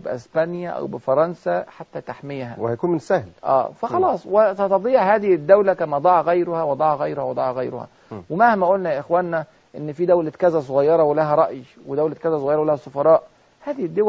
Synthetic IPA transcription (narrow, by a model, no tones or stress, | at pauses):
beʔḛspænjæʔæ̰wbɪfɑɾˤɑnsæħat̪ːæt̪aħmejhæ̰wehæjækuːnmensæhlʔæ̰ːfæxɑlɑːsˤwet̪æt̪ɑd̪ˤiːʕhæːðɪhɪd̪ːæwlækæmæd̪ˤɑʕɣæjɾohæwed̪ˤɑʕɑɣæjɾohæwed̪ˤɑʕɣæjɾo̰hæ̰ | wemahmæʔolnæjæʔexwæːnːæ | ʔenːfid̪æwlæt̪kæzæs̬ˤoɣɑjːɑɾˤɑwelæɦæɾˤɑʔj | wed̪æwlæt̪̚kæzæs̬ˤoɣɑjɑɾɑwelæhæsˤofɑɾˤɑːʔ | hæːðɪhɪd̪ːow